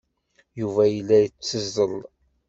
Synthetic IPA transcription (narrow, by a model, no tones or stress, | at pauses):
juvæjəlːæjət͡sːəzːəlˤ